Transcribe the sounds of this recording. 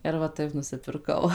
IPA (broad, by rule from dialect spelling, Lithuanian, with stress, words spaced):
ɪr ʋɐ ˈtɐɪp nʊsʲɪpʲɪrˈkɐʊ